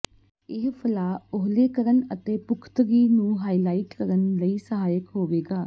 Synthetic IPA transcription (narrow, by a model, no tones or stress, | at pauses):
ɪɦpʰəlaːʊɦleːkəɾənət̪eːpʊkʰt̪ɡiːnũːɦaːiːlaːiːʈkəɾənləiːsəɦaːjəkɦoːʋeːɡaː